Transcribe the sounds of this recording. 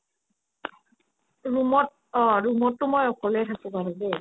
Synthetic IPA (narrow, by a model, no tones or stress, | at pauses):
ɹumɔt̚ | ɔɹumɔtːʊmɔjɔkɔlɛjtʰakʊ̃baɹʊ̃be